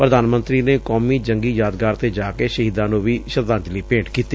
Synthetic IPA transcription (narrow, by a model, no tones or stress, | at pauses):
pɾəd̪aːnmə̃nt̪ɾiːneːkɔːmiːd͡ʒəŋɡiːjaːd̪ɡaːɾt̪eːd͡ʒaːkeːʃəɦiːd̪ãːnũʋiːʃət̪ãːnd͡ʒliːpẽːɳʈkiːt̪iː